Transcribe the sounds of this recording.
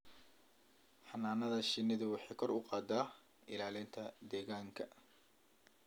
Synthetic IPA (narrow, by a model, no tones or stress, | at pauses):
ħɑnaːnɐðɐʃɪnːɪðʊwɑħɑːkʰɔrʔʊqɑːd̪aː | ɪlaːlɪnt̪ʰɐd̪ɛːɣaːŋkʰɐ